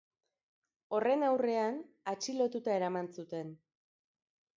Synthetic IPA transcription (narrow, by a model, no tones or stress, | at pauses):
o̞re̞nawre̞an | at͡ʃilo̞t̪ut̪ae̞ɾamansut̪e̞n